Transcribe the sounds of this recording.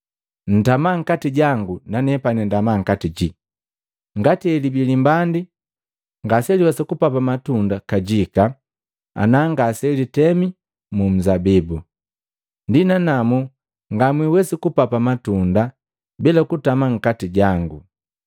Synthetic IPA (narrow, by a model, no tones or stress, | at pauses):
n̩tamaŋ̩katiɟaŋɡunanɛpanɛndamaŋ̩katiɟi | ŋɡatiɛlibilimbandi | ŋɡasɛliwɛsikupapamatundakaɟika | a̰naŋɡasɛlitɛmi | mum̩zabibu | ndinanamu | ŋɡamwiwɛsikupapamatunda | bilakutamaŋ̩katiɟaŋɡu